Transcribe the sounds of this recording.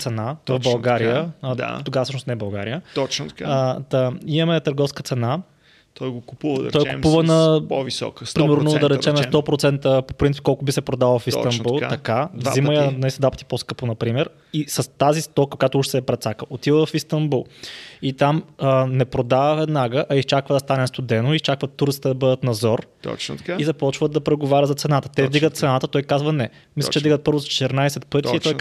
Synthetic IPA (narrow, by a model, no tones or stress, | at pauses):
t̪sɛnavɐvbɐlˠɡaɾijəd̪a̰t̪oɡavəsɤʃnsnɛbɐlˠɡaɾijət̪ɔt͡ʃ̪kad̪əimɐmɛt̪əɾɡɔfskət̪sɛna | t̪ɔjɡokupuvəd̪̰ɾɔjkʊpuvənɐvisɔ̰ktpɾimɛɾnod̪ɐɾɛt͡ʃɛmɛst̪ɔpɾot̪sɛnt̪əpo̥pɾinipkɔlˠkʊbisɛpɾod̪alˠvɐfist̪ɐmb̪ulˠt̪ɐkavziməjəisd̪vapə̥t̪i̥poskɤponɐpɾimɛɾ | isɐst̪azist̪ɔkəkojat̪ʊuʃt̪sɛpɾɛt̪sakəot̪ivəvɐfist̪ɐmbulˠit̪amənɛpɾod̪avəvɛd̪naɡəʔɐist͡ʃakvəd̪ɐst̪anɛst̪ʊd̪ɛnoʊist͡ʃakvət̪ːuɾt̪si̥t̪ɛd̪ɐbɤd̪ət̪nɐzɔɾ̰ | t͡ʃizɐpɔt͡ʃvət̪d̪ɐpɾɛɡovaɾʲɐd̪zɐt̪sɛnat̪ə̥t̪ɛvd̪iɡət̪t̪sɛnat̪ət̪ɔjkazvɐnɛ | mislə̥t͡ʃɛd̪iɡət̪̚pɤɾvʊzɐt͡ʃɛ̥t̪ɛɾnajsɛt̪pɤt̪iːt̪ɔj